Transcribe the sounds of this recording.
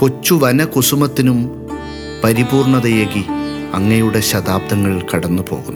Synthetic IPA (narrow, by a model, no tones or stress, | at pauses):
ko̞t͡ɕːuʋɐnɐkusumɐt̪ːinum | pɐɾibuːrɳɐðɐjeːɣi | ɐŋːɐjuɽe̞ɕɐd̪aːb̚d̪ɐŋːɐɭikɐɽɐnːupo̞ːɣṵnː